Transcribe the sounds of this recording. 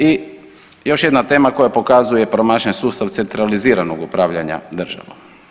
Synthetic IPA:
i | jo̞ʃje̞d̪nat̪e̞ːmako̞japo̞kazujepɾomaːʃensuːst̪aʋt̪se̞nt̪ɾaliziːɾanoɡupɾaːʋʎaɲa̰d̪r̩ʒa̰ʋo

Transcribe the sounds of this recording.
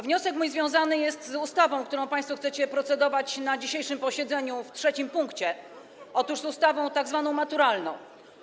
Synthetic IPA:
vɲɔsɛkmujzvʲjɔ̃w̃zanɘjɛst̪zust̪avɔ̃w̃kt̪uɾɔ̃w̃paj̃st̪fɔxt̪sɛt͡ɕɛpɾɔt̪sɛd̪ɔvat͡ɕnad͡ʑiɕejʂɘmpɔɕɛd̪zɛɲuftʂɛt͡ɕimpuŋkt͡ɕɛ | ɔt̪uʐzust̪avɔ̃w̃t̪aɡzvanɔ̃w̃mat̪uɾalnɔ̰̃w̃

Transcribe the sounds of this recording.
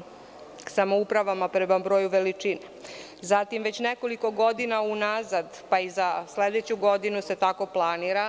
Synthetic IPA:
samo̞upɾaʋamapɾemabɾo̞ːjuʋe̞lit͡ʂine | zat̪imʋe̞t͡ɕneko̞liko̞ɡo̞d̪inaunazad̪paizasled̪et͡ɕuɡo̞d̪inuse̞t̪ako̞plˠaniɾa

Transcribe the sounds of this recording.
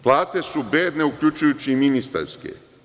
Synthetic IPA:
plˠaːt̪e̞subeːd̪ne̞uklʎut͡ʃujut͡ɕiminist̪a̰ɾskḛ

